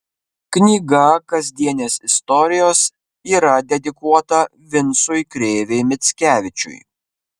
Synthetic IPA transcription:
knʲiːɡɐkɐzʲd̪ʲiɛnʲeːsɪst̪ɔɾʲɪjoːs | iːɾɐd̪ʲɛd̪ʲɪkuɔt̪ɐ | ʋʲɪnsʊjkɾʲeːʋʲeɪmʲɪt̪sʲkʲæːʋʲɪt͡ʃʲʊ̰j

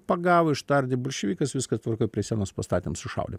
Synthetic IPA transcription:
pɐɡɑːʋoɪʃt̪ɐɾʲd̪ʲɪbʊlʲʃʲɛʋʲiːkɐsʋʲɪskɐt̪ʋɐrkoɪpʲɾʲiɛsʲiɛnoːspɐst̪ɑːt̪ʲimsʊʃɐ̰ʊd̪ʲɪ

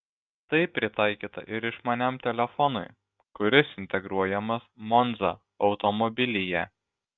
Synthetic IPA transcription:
t̪ɐɪpʲɾʲɪt̪ɑˑɪkʲiːt̪ɐ̰ʔɪɾɪʃmɐnʲɛmt̪ʲɛlʲɛfɔnʊɪ | kʊɾʲɪsɪnʲt̪ʲɛɡɾuɔjɛmɐsmɔnd̪zɐ | ɒʊt̪ɔmɔbʲɪlʲɪjæ

